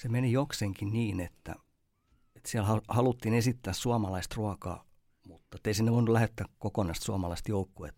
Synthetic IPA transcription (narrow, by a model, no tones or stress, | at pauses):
semenijokseŋkiniːnet̪ːæ̰ | et̪siælhɑhɑlut̪ːiːnesit̪ːæːssuɑmɑlɑist̪ruɑkɑ̰ː | mut̪ːet̪ːeisinːeʋoinulæhet̪ːækkokonɑist̪suɑmɑlɑist̪joukːuḛt̪ː